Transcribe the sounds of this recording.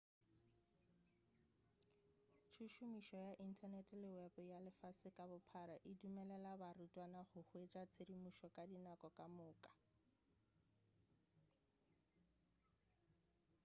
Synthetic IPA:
t͡ʃʰuʃumiʃɔjaʔin̩tʰanɛtʼlɪwɛbjalɪfasɪkʼabʊpʰaɾaʔɪdumɛlɛlabarutʼwanaχʊhwet͡ʃʼat͡sʰedimuʃɔkʼadinakʼɔkʼamʊːkʼḁ

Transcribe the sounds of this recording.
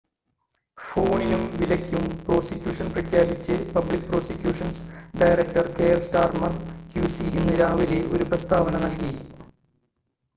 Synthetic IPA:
fo̞ːɳinumʋilɐkʲːumpro̞ːsikʲjuːʂɐnprɐkʰjaːbit͡ɕːɨpɐblik̚ːpro̞ːsikʲjuːʂɐnsɖɐjrɐk̚ʈɐrkejɐlsʈaːrmɐrkjuːsienːɨɾaːʋileʔo̞ɾuprɐst̪ʰaːʋɐnɐnɐlkiji

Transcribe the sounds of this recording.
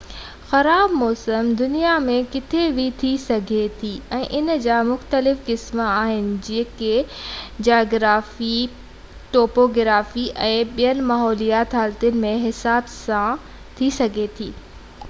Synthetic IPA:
xɐɾaːbmɔːsəmd̪ʊnijamẽkɪt̪ʰebʱit̪ʰisɐɡʱet̪ʰiːɛ̃ːʔɪnəd͡ʑaːmʊxt̪əlɪfkɪsməaːɦɪnɪ̆d͡ʑiːə̃ked͡ʑaːɡɾaːfi | ʈoːpoːɡɾaːfiʔɛ̃ːɓijənɪ̆maːɦɔːlijaːt̪ɦaːlt̪ijʊnɪ̆mẽɦɪsaːbsã | t̪ʰisɐɡʱet̪ʰiː

